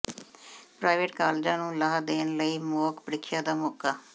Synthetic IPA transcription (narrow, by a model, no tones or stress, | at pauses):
pɾaːɪʋeːʈkaːlːd͡ʒãːnũːlaːd̪eːnləiːmoːkpɽɪkʰɪjãːd̪aːmɔːkaː